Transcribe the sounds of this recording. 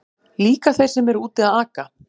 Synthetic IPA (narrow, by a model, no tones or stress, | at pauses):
liːkaθejr̥sɛmɛɾuːt̪ɪaðaːka